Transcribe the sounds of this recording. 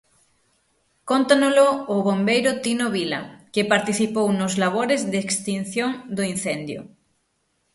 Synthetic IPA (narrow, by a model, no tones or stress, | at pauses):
kont̪anoloːβombejɾʊt̪inoβila̰kɪpaɾt̪iθipownozlaβ̞oɾezðːkst̪in̟θjoŋd̪oin̟θend̪jo̰